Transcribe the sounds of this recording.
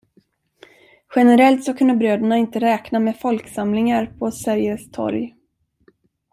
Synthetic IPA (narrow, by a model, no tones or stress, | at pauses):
ɧɛnəɾɛlt̪sɔkʰɵnd̪əbɾøːd̪əɳaɪnt̪əɾɛːknameːfɔlksamlɪŋaɾpʰɔsæɾjəst̪ʰɔ̰ɾj